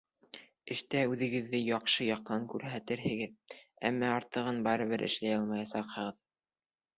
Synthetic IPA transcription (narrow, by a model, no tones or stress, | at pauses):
ɘ̆ʃt̪æʉðɘ̆ɡɘ̆ðːɘjɑqʃɤjɑq̚t̪ɑŋkʉɾɦæt̪ɘɾɦɘ̆ɡɘðæ̰mːæɑɾt̪ɤ̆ʁɤnbɑɾɤ̆βɘɾʔɘ̰̆ʃlæjɑlˠmɑjɑsɑqhɤ̆ʁɤð